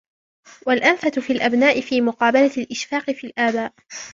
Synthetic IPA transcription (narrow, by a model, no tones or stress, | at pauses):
walʔanfat̪ʊfiːlʔabnaːʔɪfiːmʊqɑːbalalʔɪʃfaːqɨfiːlʔaːbaːʔ